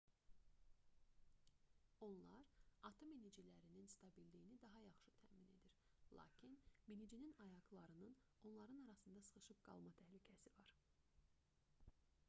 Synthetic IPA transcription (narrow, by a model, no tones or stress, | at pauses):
o̞nlˠɑɾɑt̪ʰominid͡ʒilæɾininst̪ʰɑbilːijinid̪ɑɦɑjɑχʃɯt̪ʰæ̰mine̞̰d̪iɾ | lˠɑ̰ːcʰinminid͡ʒininɑjɑɡlˠɑɾɯnɯn | o̞nlˠɑɾɯnɑɾɑsɯnd̪ɑsɯ̥χɯʃɯpɡ̥ɑ̰lˠmɑt̪ʰæhlycʰæsivɑɾ